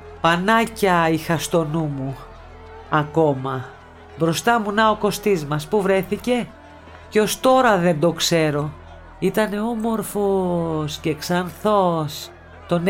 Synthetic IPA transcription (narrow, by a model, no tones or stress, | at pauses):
pɐnɐcɐixɐst̪o̞numu | ɐko̞mɐ | bɾo̞st̪ɐmunɐo̞ko̞st̪izmɐspuvɾe̞θice̞ | ceo̞st̪o̞ɾɐðe̞nd̪o̞kse̞ɾo̞ | it̪ɐne̞o̞mo̞ɾfo̞sceːksɐnθo̞s | t̪o̞n